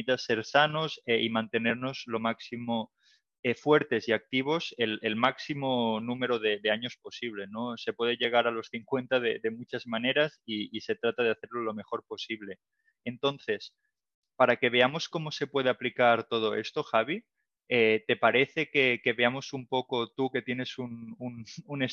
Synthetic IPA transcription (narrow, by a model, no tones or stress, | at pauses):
it̪ase̞ɾsano̞seʔimãnt̪e̞ne̞ɾno̞zlo̞maksimo | efwe̞ɾt̪e̞siak̚t̪iβ̞o̞selelmaksimonũme̞ɾoðe̞ðeaɲo̞spo̞siβ̞le̞no̞se̞pwe̞ðeʎe̞ɣ̞aɾalo̞sθiŋkwe̞nt̪aðeðe̞mut͡ʃazmane̞ɾasiːse̞t̪ɾat̪að̞eaθe̞ɾlolo̞me̞xo̞ɾpo̞siβle̞ | ent̪o̞nθe̞s | paɾake̞β̞e̞amo̞sko̞mose̞pwe̞ð̞eaplikaɾt̪o̞ð̞o̞ḛst̪o̞xaβ̞i | et̪e̞paɾe̞θe̞ke̞ke̞βeamo̞sumpo̞ko̞t̪uke̞t̪je̞ne̞sunununes